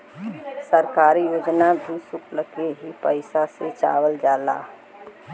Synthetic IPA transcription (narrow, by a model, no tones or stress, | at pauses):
səɾkaːɾijoːd͡ʒnabʱisʊkʰləkeɦipəɪsaset͡ʃa̰ːwəld͡ʒaːla̰ː